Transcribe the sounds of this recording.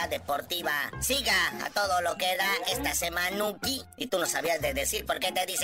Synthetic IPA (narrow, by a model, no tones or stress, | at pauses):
aðepo̞ɾt̪iβasiɣaa̰t̪o̞ðolo̞keðae̞st̪asemãnukiit̪unosaβiazðeðe̞siɾpoɾke̞t̪eðis